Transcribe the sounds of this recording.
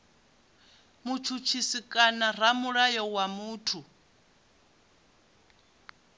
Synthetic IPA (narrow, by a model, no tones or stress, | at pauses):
mut͡ʃʰut͡ʃʰisikʼanaɾ̤amuɺajɔwamuːtʰu